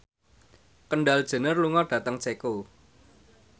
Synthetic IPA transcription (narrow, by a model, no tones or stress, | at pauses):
kənɖald̥ʒ̥ə̤nərluŋɔɖ̥ä̤t̪əŋt͡ʃeko